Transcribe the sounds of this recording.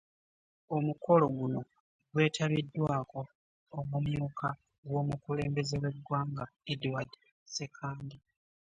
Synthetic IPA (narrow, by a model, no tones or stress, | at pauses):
o̞muko̞lo̞ɡuno̞ | ɡwe̞ːtʰaβidːwaːko̞ː | mumjuːkʰa | ɡwo̞ːmukule̞ːmbe̞zewe̞dwaːŋɡaedwadi | se̞kʰaːndi